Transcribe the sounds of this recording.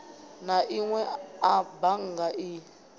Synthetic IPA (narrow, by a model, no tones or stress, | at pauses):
naʔiŋwɛabaŋɡaʔi